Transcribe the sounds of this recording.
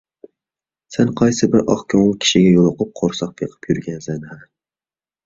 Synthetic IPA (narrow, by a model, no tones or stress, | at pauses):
sɛnqʰɑjsɨbɪɾʔɑχkʲʰɑŋlˠɨkʲʰi̥ʃɪɡʲɛjolˠʊqʊp̚qʰoɾsɑq̚pʰeqʰɨ̥pjyɾɡʲɛnzænhɛ